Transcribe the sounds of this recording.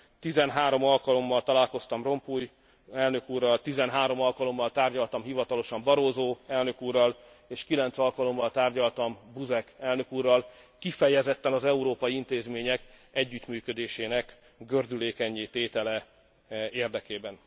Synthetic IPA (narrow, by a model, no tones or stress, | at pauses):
t̪izɛnɦaːɾo̞mɒlkɒlo̞mːɒlt̪ɒlaːlko̞st̪ɒmro̞mpuj | ɛlnø̞kuːrːɒlt̪izɛnɦaːɾo̞mɒlkɒlo̞mːɒlt̪aːrɟɒlt̪ɒmɦivɒt̪ɒlo̞ʃɒmbɒɾoːzoːɛlnø̞kuːrːɒl | eːʃkilɛnt̪sɒlkɒlo̞mːɒlt̪aːrɟɒlt̪ɒmbuzɛkɛlnøkuːrːɒlkifɛjɛzɛt̪ːɛnɒzɛuɾoːpɒjiint̪eːzmeːɲɛkɛɟːyt̪myːkød̪eːʃeːnɛk | ɡørd̪yleːkɛɲːit̪eːt̪ɛlɛ | eːrd̪ɛkeːbɛn